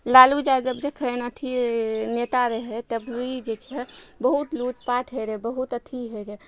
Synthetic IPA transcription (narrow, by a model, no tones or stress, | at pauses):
lalud͡ʒad͡ʒəbd͡ʒekʰəjnət̪ʰinet̪aɾəɦɛt̪əbluid͡ʒet͡ʃʰɛbəɦut̪luʈpaʈɦəjɾebəɦut̪ət̪ʰiɦəɾe